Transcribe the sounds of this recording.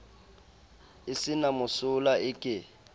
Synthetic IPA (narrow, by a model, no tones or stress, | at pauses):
ɪsɪnamʊsʊlaɪkʼɪ